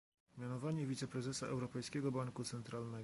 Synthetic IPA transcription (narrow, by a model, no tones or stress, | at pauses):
mʲjanɔvaɲɛvʲit̪sɛpɾɛzɛsaʔɛwɾɔpɛjskʲɛɡɔbaŋkut̪sɛnt̪ɾalnɛ